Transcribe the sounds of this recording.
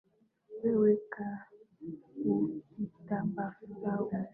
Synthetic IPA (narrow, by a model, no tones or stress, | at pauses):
weweka | uitambafta